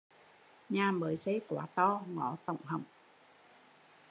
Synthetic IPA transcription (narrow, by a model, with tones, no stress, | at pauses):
ɲaː˨˩ɓəː˨˦jsə˨˦jkwa̰ː˨˦t̪ɔ˧ŋɔ˧˨˦t̪ə̰˧˨wŋ͡mɦə̰˨˧˩wŋ͡m